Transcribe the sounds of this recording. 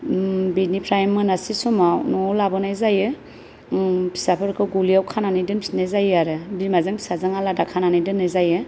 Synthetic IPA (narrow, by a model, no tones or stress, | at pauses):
binipʰɾajmːɯnasisɔmawnɔlabɯnajzajɯ | pʰi̥sapʰɯɾkʰɯɡuliawkʰananajdɯnpʰnezajaɾɯbimazɯŋpʰi̥sazɯŋaladakʰananajdɯnːezajɯ